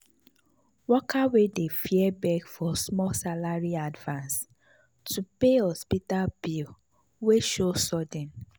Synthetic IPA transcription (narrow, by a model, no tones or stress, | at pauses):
wɔkʰawedefiɛbɛɡfɔsmɔsalaɹiadvãns | tupehɔspitalbil | weʃosɔdĩn